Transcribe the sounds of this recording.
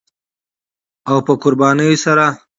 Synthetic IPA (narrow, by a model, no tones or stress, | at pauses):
awpəkʊɾbɑːnəjosaɾa